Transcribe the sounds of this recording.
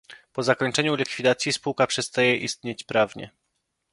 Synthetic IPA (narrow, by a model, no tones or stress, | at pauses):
pɔzakɔɲt͡ʂɛɲulʲikfʲid̪at̪sʲjispuwkapʂɛst̪ajɛʔist̪ɲet͡ɕpɾavɲɛ̰